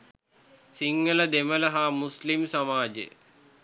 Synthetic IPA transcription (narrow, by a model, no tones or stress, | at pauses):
siŋɡələd̪emələɦaːmuslimsɐmaːd͡ʑḛ